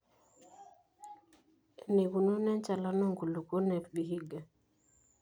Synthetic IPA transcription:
ne˨ɡu˨no˦nɛ˦nt͡ʃa˨la˦no˦ŋɡu˨lu˨ko˦nɛ˨ɾbi˨ɦi˦ɡa˨

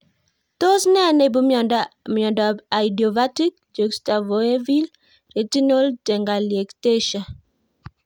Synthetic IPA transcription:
to˦snɛ˦ne˨bu˨mjɔ˨ndamjɔ˨ndɔ˨ba˨di˨ɔ˨va˦ti˦k̚ | d͡ʒo˨ksta˨vo˨e˦vi˦l | re˨d͡ʒi˦no˦ld͡ʒɛ˨ŋɡa˨lje˨kte˦ʃa˨

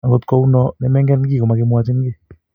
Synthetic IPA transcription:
a˨ŋɡo˨tkɔ˦u˦nɔ˦nɛ˦mɛ˦ŋɡɛ˦nɡi˦˨ko˨ma˨ke˦mwa˦t͡ʃi˦nɡe˦˨

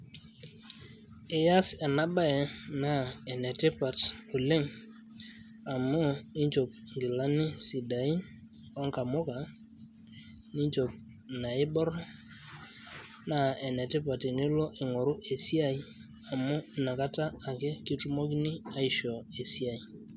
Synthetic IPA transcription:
e˨ja˦sɛ˨na˦ba˦ɛ˨na˦e˨nɛ˨te˦pa˨to˨le˦ŋ | a˨mo˦i˦ɲt͡ʃo˨p̚ŋɡi˨la˦ni˦si˨da˨i˦ | ɔ˦ŋka˨mo˦ka˨ | ni˦ɲt͡ʃo˨p̚ | na˨ɪ˦ɓɔ˦ɾ | na˦˨e˨nɛ˨te˦pa˨ti˨ni˦lɔ˦ʔe˨ŋo˨ɾʊ˦ʔe˨si˦a˦˨i˦ | a˨mʊ˦i˨na˨ka˦taː˦˨ke˦ki˦tu˦mo˦k̬ni˦a˦i˦ʃɔ˨e˨si˦a˦˨i˨

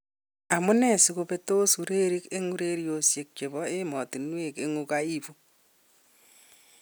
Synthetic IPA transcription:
a˨mʊ˦nɛ˦˨sɪ˨ko˨pe˦to˦su˨ɾe˦ɾi˦ke˦ŋu˦ɾe˦ɾjo˨sje˨k̚t͡ʃe˨βɔ˦e˦mɔ˨ti˨nwe˦˨ke˦ŋu˦kai˦fu˦

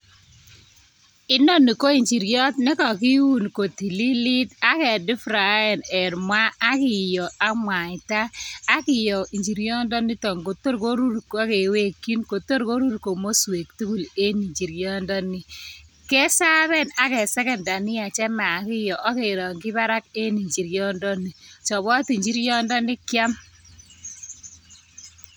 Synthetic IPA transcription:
ɪ˦no˦ni˨ko˦i˨ɲt͡ʃi˨ɾɡjɔ˦tne˦kɔ˨ki˦wu˦nko˨ti˨li˦li˦ta˦kɛ˨dɪ˦fɾa˨jɛ˨nɛ˨ɾmwa˦a˦kɪ˨jɔ˨a˦mwa˨ɪ˨taː˦kɪ˨jɔ˨ʔi˨ɲd͡ʒi˨ɾɡjɔ˦ndɔ˦ni˦tɔ˨ŋko˨to˦ɾko˦ɾu˦ɾka˦ke˨we˦kːi˦nko˨to˦ɾko˦ɾu˦ɾko˨mo˦swe˨ktu˦ku˦˨le˦ni˨ɲd͡ʒi˨ɾjɔ˦ndɔ˦ni˦ | kɛ˦sa˦βɛ˦na˦kɛ˨sɛ˦kɛ˨nda˨nɪ˦a˨t͡ʃɛ˦ma˨kɪ˦jɔ˨ʔa˦ke˨ɾɔ˨ŋɡɪ˦ba˦ɾa˦ke˦ni˨ɲd͡ʒi˨ɾjɔ˦ndɔ˦ni˨t͡ʃɔ˨bɔ˦ti˨ɲd͡ʒi˦ɾjɔ˦ndɔ˦nɪ˦kja˦m

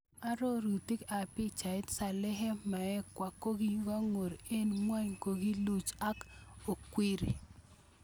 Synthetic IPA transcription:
a˦ɾo˦ɾu˨ti˦ka˨pɪ˦t͡ʃa˨ɪ˦tsa˨lɛ˦ɦɛ˦ma˨ɛ˦kwa˨ko˦ɡi˦ɡa˦ŋo˨ɾe˦nmwa˦ɲko˨ɡi˦lu˦t͡ʃa˦ko˨kwi˦ɾḭ˨

